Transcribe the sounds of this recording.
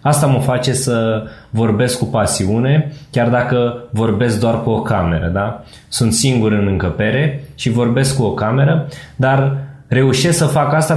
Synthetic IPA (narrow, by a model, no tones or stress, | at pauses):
ast̪aməfat͡ʃe̞səvo̞rbe̞skːupasiune̞kʲard̪akəvo̞rbe̞s̬k̚d̪oarkuo̞kame̞ɾə̰d̪a | sunt̪siŋɡuɾɨnɨŋkəpe̞ɾe̞ʃivo̞rbe̞skuo̞kame̞ɾəd̪arre̞uʃe̞sksəfakast̪a